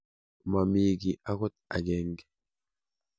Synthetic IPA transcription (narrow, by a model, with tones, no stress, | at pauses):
ma˨miː˨ɡi˨ʔa˦kɔ˦t̪̚a̰˨ɡe˨ŋɡe